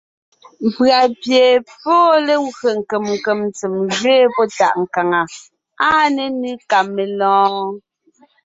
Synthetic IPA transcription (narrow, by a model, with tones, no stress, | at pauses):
m̩˨pɰa˨pje˨pɔː˦le˦ɰe˨ŋ̩˨ke˨mŋ̩˨ke˨mnt͡se˨mʒɥeː˦pɔ˦ta̰˨ʔŋ̩˨ka˨ŋa˨ | a˦ne˨ni˦ka˨mːe˨lɔ̃ː˦